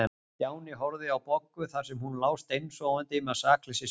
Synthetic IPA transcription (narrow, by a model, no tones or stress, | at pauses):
ɛ | jaːwnɪɦɔɾðɪawpɔkːʏθaɾ̥sɛmhunlaːwst̪ejnsɔwant̪ɪmɛasaːkʰlɪsɪ